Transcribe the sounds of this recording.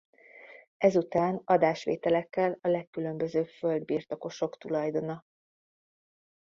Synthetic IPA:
ʔɛzut̪aːnɒd̪aːʃʋḛːt̪ɛlɛkːɛlɒlɛkːylø̞mbø̞zøːpfø̞ld̪̚biːrt̪o̞ko̞ʃo̞kt̪ulɒjd̪o̞nɒ

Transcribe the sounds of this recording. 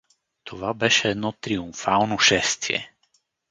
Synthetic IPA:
t̪ʰovabɛʃɛːd̪nɔt̪ɾiumfalˠnoʃɛst̪iɛ̰

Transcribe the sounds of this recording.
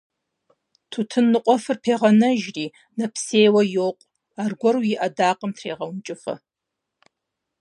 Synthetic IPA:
tʰutʰɨnːɨqʷʼɔfɨrpʰeːʁɐnɐʒriː | nɐpseːjwɐjoːqʷʼ | aːrɡʷɔrwjɪʔɐdaːqʼəmtʰreːʁɐwnt͡ʃʼɪfɐ̰

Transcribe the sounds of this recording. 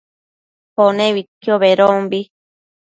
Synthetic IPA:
honẽβitioβeɾombi

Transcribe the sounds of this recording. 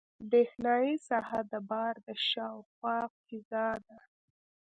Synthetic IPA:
d̪exnɑjisɑhad̪əbɑɾd̪əʃɑwxwɑkizɑd̪a

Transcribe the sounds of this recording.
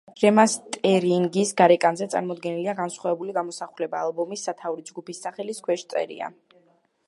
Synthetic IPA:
ɡɾɛmast̪ʼɛɾiŋɡisɡaɾɛkʼanzɛt̪sʼa̰ɾmɔd̪ɡɛniliaɡansχwavɛbuliɡamɔsaχulɛbaːlˠbɔmisːat̪ʰavuɾid͡ʒɡupisːaχɛliskʰwɛʃt̪sʼɛ̰ɾḭa̰

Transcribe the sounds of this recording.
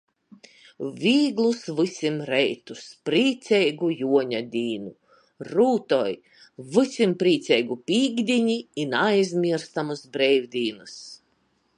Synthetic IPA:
vʲiːɡlˠusvɨsʲimɾɛjt̪uspɾiːt̪sɛjɡujuɔɲad̪ʲiːnu | ɾuːt̪ɔj | vɨsʲimpɾiːt̪sʲɛjɡupʲiːɡd̪ʲiɲiːnajzʲmʲiɛɾst̪amusbɾɛjwd̪ʲiːnɨs

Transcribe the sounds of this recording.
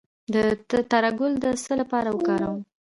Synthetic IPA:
d̪ət̪aɾaɡʊld̪əsəlapɑɾawəkɑɾawm

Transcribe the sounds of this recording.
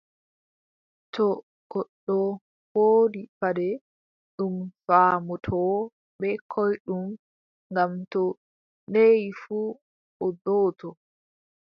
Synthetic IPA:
tɔ | ɡ̥ɔɗːɔ | hoːdipadɛ | ɗumfaːmɔtʰɔ | bɛkʰɔjɗum | ŋɡamtɔ | nejfuː | ʔɔdɔːtʰɔ

